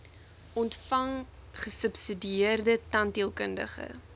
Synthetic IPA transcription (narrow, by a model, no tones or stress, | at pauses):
ʔɔntfɐŋ | χəsəpsidiərdətɐntiəlˠkəndə̰χə̰